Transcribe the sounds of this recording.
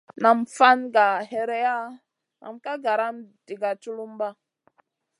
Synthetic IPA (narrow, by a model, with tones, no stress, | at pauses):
na˨mfa˦nɡa˨ɦe˨ɾe˦ja˦ | nʔa̰˨mka˦ɡa˨ɾa˦md̥i˨ɡa˨t͡ʃu˦lu˦mba˦